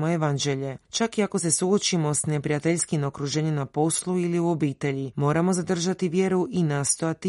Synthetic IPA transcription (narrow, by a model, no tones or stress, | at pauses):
moeʋand͡ʒe̞ʎet͡ʃakiako̞se̞suo̞t͡ʃimo̞sne̞pɾijat̪eʎskimo̞kɾuʒe̞ɲemnapo̞slˠuiliuo̞biːt̪e̞ʎimo̞ːɾamo̞zad̪r̩ʒat̪iʋje̞ɾuʔinaːst̪o̞jat̪i